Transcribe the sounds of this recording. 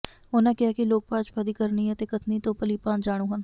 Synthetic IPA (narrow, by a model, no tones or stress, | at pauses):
oːnãkɪjaːkiloːɡ̚paːt͡ʃpɐd̪iːkəɾniɦɛ̃t̪ekət̪nit̪opəlipãːnd͡ʒaːɽ̃ũːɦən